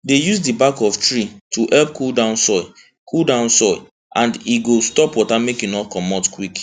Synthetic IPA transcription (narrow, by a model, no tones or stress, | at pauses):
dejusdibakɔftɹitʰuʔɛlp̚kʰuldãʊ̃nsɔɪ | kʰuldãʊ̃nsɔɪ | ʔãndiɡostɔpwɔtamekjunɔkɔmɔtkwik